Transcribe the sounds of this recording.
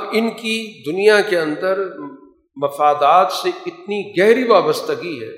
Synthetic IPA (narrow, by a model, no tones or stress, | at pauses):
bɪnkid̪ʊnijakeɐ̃nd̪əɾ | mɐfaːd̪aːt̪seɪt̪niɡɛɦɾiʋaːbəst̪əɡiɦɛ̰ː